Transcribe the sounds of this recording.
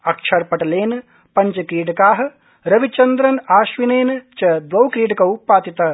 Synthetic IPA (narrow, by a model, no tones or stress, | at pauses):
ɐkʃʰɐɾpɐʈɐleːnɐ | pɐɲt͡ʃɐkɾiːʈɐkaːɦɐ̆ | ɾɐʋit͡ʃɐnd̪ɾɐnaːʃʋineːnɐt͡ʃɐd̪ʋɐwkɾiːʈɐkɐwpːaːt̪it̪ɐ